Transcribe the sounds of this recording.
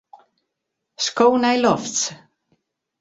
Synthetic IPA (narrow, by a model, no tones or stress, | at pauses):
skoːnajlɔft͡s